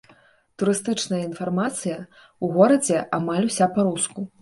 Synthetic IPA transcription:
t̪uɾɨst̪ɨt͡ʂnɐjɐinfarmat̪sɨjɐ | uɣɔɾɐd͡zʲɛʔamalʲusʲapaɾusku

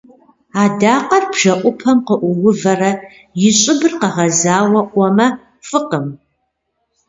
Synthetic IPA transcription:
aːdaːqɐrbʒ̥ɐʔʷʊpʰɐmqəʔʷʊwʊvɐrɐ | jɪɕʼɪbɨrqɐʁɐzaːwɐʔʷɔmɐ | fɨqəm

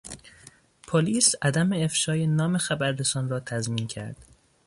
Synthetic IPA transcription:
pʰoliːsæd̪æmeefʃɒːjenɒːme̞xæbæɾd̪esɒːnrɒːt̪ʰæzmiːncʰæ̰ɾd̪̥

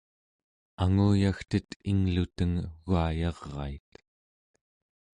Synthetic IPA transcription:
aŋuːjaxt̪ət̪ʰiŋlut̪əŋɣuajɑʁːɑ̰it̪

